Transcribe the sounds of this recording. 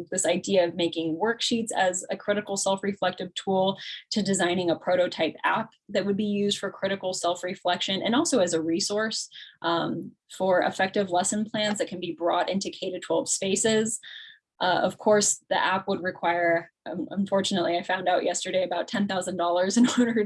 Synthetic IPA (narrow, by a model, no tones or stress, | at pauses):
ðɪsaɪdiɨʌvmeɪkɪ̃ŋwɜ˞kʃitsɨzɨkʰɹ̥ɪɾɨkl̩ˠsɛlˠfɹiflɛk̚tɨv̥tʰulˠtʰɨdɨzãɪ̃nɪ̃ŋəpʰɹ̥oʊɾoʊtʰaɪpæp̚ðɨt̚wɨd̚bijʉzd̥fə˞kʰɹ̥ɪɾɨkl̩ˠsɛlˠfɹiflɛkʃɨ̃nɨ̰̃nɔlˠsoʊɨzɨɹisɔɹsʔ | fə˞ɪ̰fɛk̚tɨvlɛsɨ̃npʰl̥æ̃nzðɨt̚kʰn̩bibɹɔɾɪ̃ntʉkʰeɪɾɨtʰwɛlˠv̥speɪsɪz̥ | ʔʌ̰v̥kʰɔɹsðḭʔæp̚wəd̚ɹɨkʰw̥aɪə̃˞ə̰̃ɱfɔɹt͡ʃɨnəʔˡliaɪfãʊ̃ndaʊʔjɛstə˞ɾeɪɨbaʊtʰɛ̃nθaʊzɨ̃ndɔlˠə˞zɨ̃nɔɹɾə˞